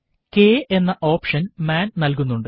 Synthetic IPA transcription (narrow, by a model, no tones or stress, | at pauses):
keːʔe̞nːɐʔo̞ːpʂɐnmaːnnɐlk̬unːuɳɖɨ